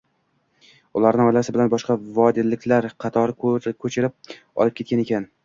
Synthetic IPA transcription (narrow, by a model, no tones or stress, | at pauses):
ʊlˠaɾnɪɒjlasɪbɪlanbɒʃqɑvɒd̪ilːɪkʲʰlaɾqʰɑt̪ʰɒɾɪkʰɵt͡ʃʰɪɾɪp̚ | ɒ̰lˠɪp̚kʲʰekʲane̞kʲʰan